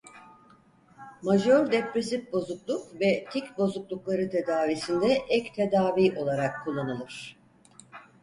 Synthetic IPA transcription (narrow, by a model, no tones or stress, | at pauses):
maʒoɾd̪ɛpɾesifbo̞zuklˠukvɛt̪ʰikʲbo̞zuklˠuklˠaɾɯt̪ʰe̞d̪aːvisind̪ɛʔɛct̪ʰe̞d̪aːviːʔo̞lˠaɾakʰːulˠːanɯlˠɯɾ̝̥